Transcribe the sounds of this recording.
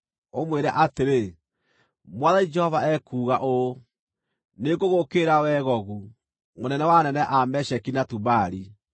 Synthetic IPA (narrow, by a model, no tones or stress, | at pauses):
omweɾɛʔateɾe | mwaðaid͡ʒɛhɔvaɛkuːɣaʔo | neɡoɣokeɾawɛːɣɔɣu | monɛnɛwanɛnɛʔamɛɕɛkinatubaɾi